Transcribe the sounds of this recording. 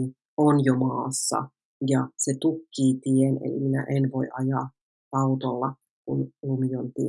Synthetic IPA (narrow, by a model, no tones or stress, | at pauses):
onjomɑːsːɑ̰ | jɑset̪ukːiːt̪ienḛlḭminæ̰ʔenʋoiʔɑjɑ | ɑut̪olːɑ | kunlumijont̪i